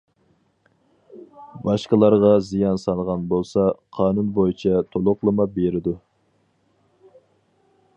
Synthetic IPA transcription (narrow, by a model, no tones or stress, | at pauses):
bɑʃqəlˠɑɾʁɑzijɑnsɑlˠʁɑnbolˠsɑqʰɑːnunbojit͡ʃʰɛt̪ʰolˠʊqlˠɨmɑbeɾɪd̪u